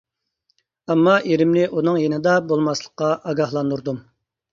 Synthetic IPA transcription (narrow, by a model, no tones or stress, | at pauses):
ɛmːɑʔeɾɪmnɪʔunɨŋjenɨd̪ɑbolˠmɑslˠəqːɑʔɑɡɑhlˠɑnd̪uɾd̪um